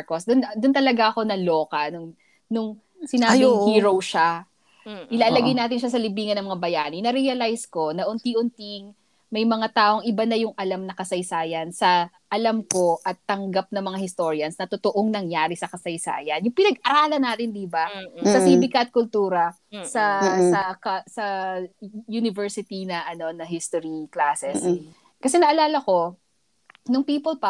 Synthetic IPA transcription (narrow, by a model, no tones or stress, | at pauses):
kosd̪ʊnd̪ʊnt̪ɐlɐɡaʔɐko̞nɐlo̞ːkɐnʊŋ | nʊŋ | sɪnaːbbɪhiːɾowʃa | ʔɪlaːlɐɡɐjnaːt̪̬ɪnʃasɐlɪbiːŋɐnɐŋmɐŋabɐjaːnɪnɐɾɛɐlajsko̞nɐʔʊnt̪iʔʊnt̪iŋ | mɐjmɐŋat̪aːʔo̞ŋʔɪbanɐjʊŋʔɐlamnɐkɐsɐjsaːjɐnsɐ | ʔɐlɐmko̞ʔɐt̪ːɐŋɡap̚nɐŋmɐŋahɪst̪o̞ːɾjɐnsnɐt̪ot̪oʔoŋnɐŋjaːɾisɐkɐsɐjsa̰ːjɐnjʊŋpɪnɐɡ̚ɐɾaːlɐnaːt̪ɪnd̪ibasɐsibɪkɐʔɐt̪̚kʊlt̪uːɾɐ | sɐsɐkɐsɐ | junɪvɛɹsɪt̪inɐʔɐno̞nɐɦɪst̪oɾiklaːsɛs | kɐsɛnɐʔɐlaːlɐko̞ | nʊŋpiːpolpɐ